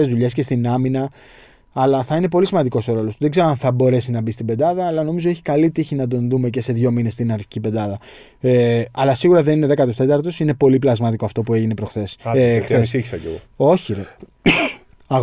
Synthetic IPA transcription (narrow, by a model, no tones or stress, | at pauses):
ezðuʎe̞s̬ce̞st̪inɐminɐː | lɐθɐine̞p̬o̞lisimɐnd̪iko̞soɾo̞lo̞suðe̞ɡze̞ɾoɐnθɐbo̞ɾe̞sinɐbist̪ibe̞d̪ɐðɐːlɐno̞mizoeçi̥kɐlit̪içinɐd̪o̞nðume̞c̬e̞se̞ðʝo̞mine̞st̪inɐɾçicibe̞nd̪ɐðɐ | eɐlɐsiɣuɾɐðe̞nine̞ðekɐt̪ost̪e̞t̪ɐɾt̪o̞sine̞po̞liplɐzmɐt̪iko̞ɐft̪o̞pue̞ʝine̞pɾo̞xθe̞sθesiçisɐcḛɣoo̞çiɾe | ɐɣ